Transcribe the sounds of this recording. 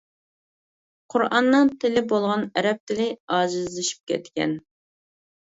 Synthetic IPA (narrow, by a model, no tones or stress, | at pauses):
qʰʊɾɑnːɨŋt̪ʰɪlɪbolˠʁɑnɛɾɛp̚t̪ʰɪlɪɑːʒɨzlɪʃi̥p̚kʲʰɛ̰t̪kʲɛ̰n